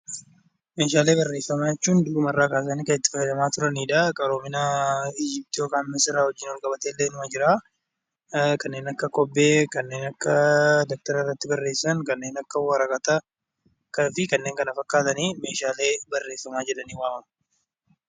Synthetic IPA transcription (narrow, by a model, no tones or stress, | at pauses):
meːʃaːle̞ːbɐrːe̞ːfːɐmaːjɛt͡ʃːuːnd̪ʊʊmɐrːaːkaːs̬ɐniːkɐnɪt̪ːɪfɐjɐd̪ɐmaːt̪ʊɾɐniːᶑɐkʼɐɾoːmɪnaiːd͡ʒɪp̚t̪ɪjo̞ːkaːnmɛsɪɾaːhɔd͡ʒːɪnwɔlkʼɐbɐt̪e̞ːlːeːnʊmɐd͡ʒɪɾaː | kɐnːe̞ːnɐkːɐkɔbːe̞ːkɐnːe̞ːnɐkːɐd̪ɔk̚t̪ɐɾɐrːɐt̪ːɪbɐrːe̞ːsːɐnkɐnːe̞ːnɐkːɐwɐɾɐkʼɐt̪ɐ | kɐfɪkɐnːe̞ːŋkɐnɐfɐkːaːt̪ɐniːme̞ːʃaːle̞ːbɐrːe̞ːfːɐmaːd͡ʒɛᶑɐniːwaːɐm